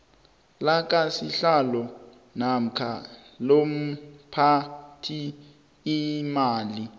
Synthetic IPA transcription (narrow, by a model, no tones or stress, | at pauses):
lak̬ʼasiɬalɔ | nam̩kʰa | lom̩pʰatʰiː | maːli